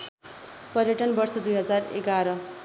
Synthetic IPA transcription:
pʌɾjʌʈʌnbʌrsʌd̪ujɦʌd͡zarḛɡaɾʌ

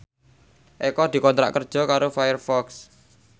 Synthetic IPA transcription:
ʔekɔd̪̥i̤kɔnt̪ɾa̰ʔkərd̥ʒ̥ɔ̤kaɾofajərfɔks

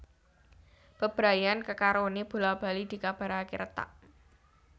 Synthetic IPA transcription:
b̥əb̥ɾajankəkaɾoneb̥ulab̥a̤lid̪̥i̤kab̥a̤ɾakḭɾt̪a̰ʔ

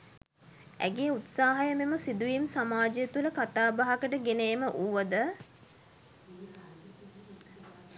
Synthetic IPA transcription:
æ̰ɡeːut̪saːɦajəmeməsid̪uʋimsamaːd͡ʒəjət̪uləkat̪aːbaɦakəʈəɡeneːməʔuːʋəd̪ə

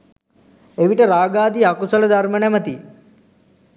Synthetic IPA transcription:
eʋiʈəɾaːɡaːd̪iakusələd̪aɾmənæmət̪i

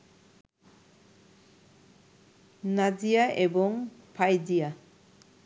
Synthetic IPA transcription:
nad͡ʒijaʔebɔŋpʰajdija

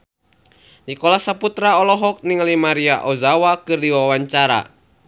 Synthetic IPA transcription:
nikɔlasaput̪ɾaɔlɔɦɔk̚niŋəlimaɾiaʔɔzawakɨrdiwawaɲt͡ʃaɾa̰

